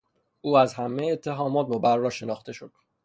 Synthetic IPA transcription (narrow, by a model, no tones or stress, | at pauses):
ʔuːæzhæmːeet̪ʰːe̞ɦɒːmɒːt̪̚mobæɾːɒːʃe̞nɒːxt̪ʰe̞ʃod̪̥